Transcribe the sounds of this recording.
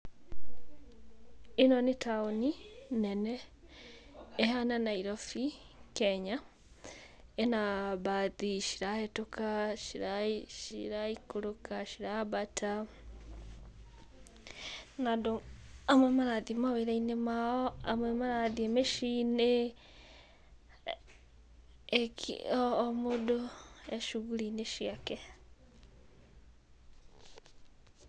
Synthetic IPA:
enɔnetaoninɛnɛ | ɦananaiɾɔfi | kɛɲa | enabaðiʃi̥ɾahɛtokaʃiɾaʃḭɾaikoɾokaʃiɾabatʰa | nadoamwɛmaɾaðimaβeɾainemaɔamwɛmaɾaðiemeʃiːne | kː | modoeʃuɣuɾineʃiakɛ

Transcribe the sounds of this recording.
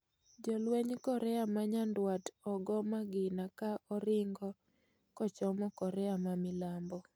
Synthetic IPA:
d͡ʒɔlwɛɲkɔɾɛamaɲandwatɔɡɔmaɡɪnakaʔɔɾɪŋɡɔ | kɔt͡ʃɔmɔkɔɾɛamamɪlambɔ

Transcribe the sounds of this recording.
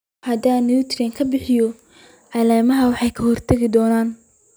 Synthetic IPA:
hɐd̪aːnut̪ʰɾɛŋkʰɐbɪħɪjɔ | ʕɑlaːmɐɦɐwɑħɑjkʰɐhɔrt̪ʰɐɣɪd̪ɔːnaːn

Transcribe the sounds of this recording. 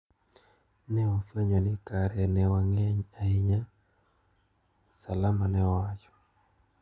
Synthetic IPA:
nɛwafaɲwɔnikaɾɛnɛwaŋɛɲaiɲa | salamanɛwat͡ʃɔ̥

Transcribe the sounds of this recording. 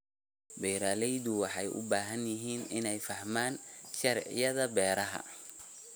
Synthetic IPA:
bɛjɾaːlɛjðʊwɑħɑjʔʊ̰baːɦɐnjɪɦiːnɪnɛjfɐhmaːnʃɐɾʕɪ̰jɐðɐbɛːɾɐɦɐ̰

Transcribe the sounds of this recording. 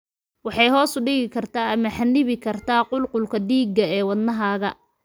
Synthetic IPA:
wɑħɑjɦɔːsʊɖɪɣɪkʰɐrt̪ʰaːɐmɐħanːɪβɪkʰɐrt̪ʰaːqʊlqʊlkʰɐɖiːɡɐɛːwɐd̪nɐɦaːɣɐ

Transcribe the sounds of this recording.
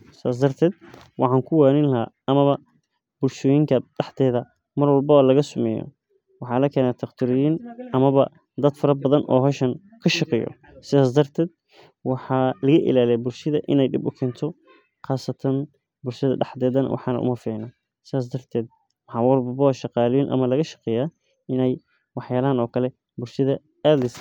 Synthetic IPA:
sɪaːs̬d̪ɐrt̪ʰɛːd̪̚wʔɑħɑːŋkʰʊwaːnɪnlɐɦaʔɐmɐβɐ | b̥ʊlʃɔːjɪŋkʰɐɖħd̪ɛːðɐ | mɐrwɑlbɐβɐlɐɣɐsʊmɛjɔ̰ | wɑħɑːlɐkʰɛːnaːt̪ʰɐqt̪ʰɪɾɔjɪnʔɐmɐβɐ̰ | d̪ɐd̪fɐɾɐbɐðɐnʔɔːɦɔːʃɐn | kʰɐʃɑqɛjɔ̰ | sɪðaːs̬d̪ɐrt̪ʰɛːd̪̚ | wɑħɑːlɐɣɐʔɪ̰laːlɛjbʊlʃɐðɐʔɪnɛjɖɪbʊkʰɛːnt̪ʰɔ | qɑːsɐt̪ʰɐn | bʊlʃɐðɐ̰ɖɑħd̪ɛːðɐn̰wʔɑ̰ħɑːnɐ̰ʔʊ̰mɐfɪʕɪnɐ | sɪðaːs̬d̪ɐrt̪ʰɛːd̪̚ | mɑħɑwɐlbɐbɐβɐʃɑqɑːljɪnʔɐ̰mɐlɐɣɐʃɐ̥qɛːjaː | ɪnɛj | wɑħjaːlɐɦɐnɔːkʰɐlɛ | bʊlʃɐðɐ | ad̪ɪs

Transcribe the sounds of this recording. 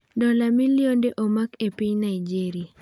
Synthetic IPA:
dɔlamiljondeʔomakepiɲnaid͡ʒiɾia

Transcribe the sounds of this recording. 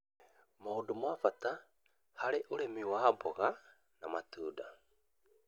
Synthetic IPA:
mowdumafat̪a | haɾeʔoɾemiwaboɣa | namatuːda

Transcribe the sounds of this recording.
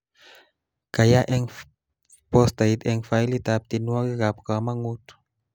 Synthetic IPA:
kajaʔɛŋ | pɔst̪ajt̪ɛŋfailit̪ap̚t̪inuaɣiɡapkamaŋut̪

